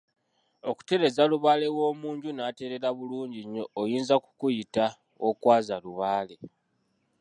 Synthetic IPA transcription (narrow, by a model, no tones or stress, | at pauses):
o̞ku̥te̞ɾe̞zaluβaːle̞wo̞ːmuːɲɟunaːte̞ɾe̞ɾaβuluːɲɟiɲːo̞ːjiːnzaku̥kujita | okwaːzaluβaːle̞